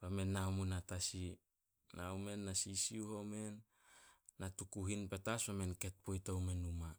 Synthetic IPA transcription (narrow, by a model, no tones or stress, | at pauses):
bamenːawmunatasi | nawme̞nːasisiuhome̞nː | atukuɦinpetaswamenke̞t̚pojtowme̞numa